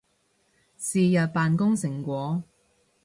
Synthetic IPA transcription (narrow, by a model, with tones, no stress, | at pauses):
siː˨jɐ˨t̚paː˨nkʊ˥ŋsɪ˨˩ŋkʷɔː˨˥